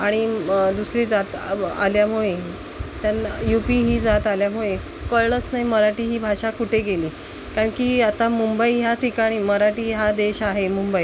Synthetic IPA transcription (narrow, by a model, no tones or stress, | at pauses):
aɽ̃id̪usɾiːd͡zat̪a̰ljamuɭe | t̪janajupiːɦiːd͡zat̪aljamuɭe | kəɭɭət͡snaɦiməɾaʈiːɦiːbʱaʂakuʈeɡeliː | kaɳkiːat̪amumbəiɦat̪ʰikaɽ̃iːməɾaʈiːɦad̪eɕaɦemumbəi